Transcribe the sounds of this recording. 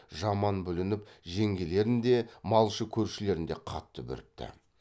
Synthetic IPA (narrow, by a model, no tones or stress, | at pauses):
ʒɑmɑnbʏlɪnɪpʒeŋɡʲe̞le̞ɾɪnd̪e̞mɑlˠʃəkʲʰɵɾʃɪle̞ɾɪnd̪e̞̰qʰɑt̪ːəbʏ̰ɾɪp̚t̪ʰɪ̰